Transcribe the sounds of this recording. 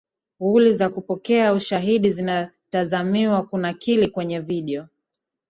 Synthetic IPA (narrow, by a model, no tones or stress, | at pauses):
ulizakupɔkɛauʃaɦiɗizina | tazamiwakunakilikwɛɲɛviɗiɔ